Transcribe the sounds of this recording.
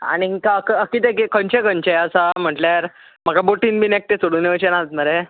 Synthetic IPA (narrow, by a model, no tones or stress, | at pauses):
a̰ñiikaəkəkit̪ekekəɲt͡ɕekəɲt͡ɕejəsam̤əʈljaɾ | m̤əɡaboʈinbinek̚ʈ̪et͡soɽuːneʋət͡ɕenaət̪̚məɾe